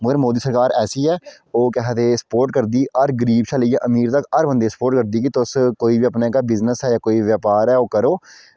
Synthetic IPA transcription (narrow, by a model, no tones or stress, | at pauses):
mʊɡəɾmoːd̪iːsəɾkaːɾɛːsiːɛː | oːkɛɦɛt̪eːsə̥poːɾʈ̚kəɾd̪iːʔəɾɡəɾiːbʃaːləiːaːʔəmiːɾt̪əkəɾbə̃nd̪eːsə̥poːɾʈ̚kəɾd̪iːkit̪oskoːibiːəpneːkaːbɪznəsɦɛːjaːkoːiʋjaːpaːɾɛːoːkəɾoː